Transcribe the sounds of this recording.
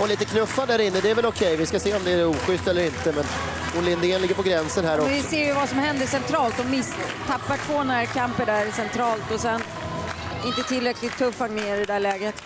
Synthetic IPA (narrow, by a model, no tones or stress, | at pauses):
ɔliːt̪əkʰnɵfːad̪æɾɪnːəd̪ɛæɾvɛlɔkʰɛjvɪskaseːɔmd̪ɛæɾuːɧʏst̪ɛlːəɾɪnt̪əmɛn | ʊnlɪnd̪ɪɛnlɪɡːəɾpʰɔɡɾɛnsənhæːɾɔvɪseːjɵvasɔmhɛnd̪əʂɛnt̪ʰɾɑːlt̪ɔmɪs | t̪ʰːapːaʈʰv̥oːnæːɾkʰampəɳɖæɾsɛnt̪ʰɾɑːlt̪ɔsɛn | ɪnt̪ət̪ʰɪlːɾɛkʰlɪt̪ʰːɵfːaŋnɪɪɖɛd̪æɭɛːɡət̪